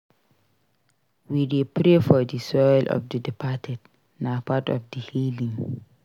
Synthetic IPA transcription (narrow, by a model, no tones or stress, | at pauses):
widepɹefɔdisɔjlʔɔ̰fdədipʰatʰɛd | napatɔ̰fdihilĩŋ